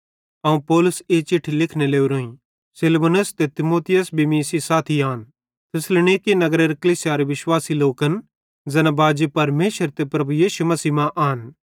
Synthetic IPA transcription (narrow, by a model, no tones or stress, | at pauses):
ɐːũpɔːlʊseːt͡ʃɪʈʰːilɪkʰneleːuɾoːĩ | sɪlbonʊst̪et̪ɪmoːt̪ʰɪjəsbimiːsisaːt̪ʰiaːn | t̪ʰɪslñikinɐɡɾeɾɐkɐliːsjaɾeʋɪʃwaːsiloːkɐn | d͡zɐnabaːd͡ʒepɐɾmeːʃəɾt̪epɾɐbujiːʃumɐsiːmãʔaːn